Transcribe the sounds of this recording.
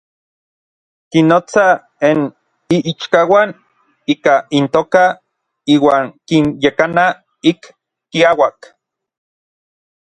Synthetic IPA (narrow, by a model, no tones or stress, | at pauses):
kinoːt͡sa | en | iʔit͡ʃkawan | iːkaint̪oːka | iːwaːŋkinjekana | ik | kiawak